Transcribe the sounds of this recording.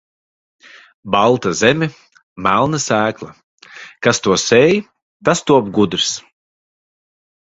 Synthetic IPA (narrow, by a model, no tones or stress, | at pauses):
balˠt̪azɛmʲi | mælˠnasæːklˠa | kast̪uɔsɛj | t̪ast̪uɔpɡud̪ɾs